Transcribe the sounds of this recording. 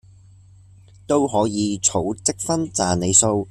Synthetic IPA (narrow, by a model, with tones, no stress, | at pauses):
t̪o˥wɦɔː˨˥jiː˨˧t͡sʰo˨˥wt͡sɪ˥k̚fɐ˥nt͡saː˨ne˨˧jso˧w